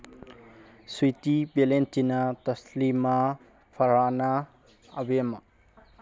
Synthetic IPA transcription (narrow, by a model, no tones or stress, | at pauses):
sujt̪ibelent̪inat̪ʌslima | pʰʌɾanaː | bema